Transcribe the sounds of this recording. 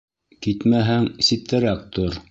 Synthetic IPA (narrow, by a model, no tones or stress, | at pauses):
kit̪mæɦæŋsit̪ːæɾæk̚t̪oɾ